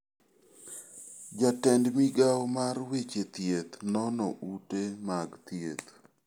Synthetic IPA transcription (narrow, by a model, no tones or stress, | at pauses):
d͡ʒatɛndmiɡawmarwet͡ʃet̪jet̪nɔnɔ̰ʔutemaɡt̪jet̪